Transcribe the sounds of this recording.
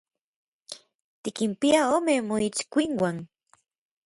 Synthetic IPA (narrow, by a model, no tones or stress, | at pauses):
t̪ikimpiaoːmemoit͡ʃkʷiŋwan